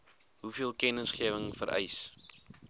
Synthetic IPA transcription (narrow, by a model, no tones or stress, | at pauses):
ɦufiəlˠkɛnəsχiəvəŋfə̰ɾʔɛ̰js